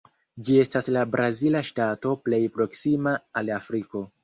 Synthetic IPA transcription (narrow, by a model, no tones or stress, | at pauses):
d͡ʒiestaslabɾʔazilaʃtato̞ple̞jpɾo̞ksimaːlafɾiko̞